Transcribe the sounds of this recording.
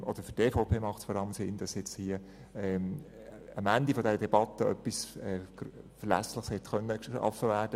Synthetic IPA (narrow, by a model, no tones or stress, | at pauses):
ʔɔd̥əɾfʏtːeːfoʊpʰeːmɑχtsfɔɾɑləmsɪnd̥ɑsjɛt͡sthiə | ɛ | əmænd̪ifɔdɛɾədɛbɑt̪ːəœ̰pːisɛːɡ̥fəɾlæ̰slɪχshɛt̪xœnːəʃɑ̰fəvæːɾd̥ə